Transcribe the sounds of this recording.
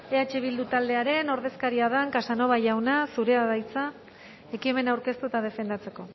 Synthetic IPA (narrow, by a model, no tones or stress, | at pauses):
e̞at͡ʃe̞β̞ild̪ut̪ald̪e̞aɾe̞no̞ɾð̞e̞skaɾiaðaŋkasano̞βaʝawnasuɾe̞aðajt͡sa | e̞kie̞me̞nawɾke̞st̪ut̪að̞e̞fe̞nd̪at͡se̞ko̞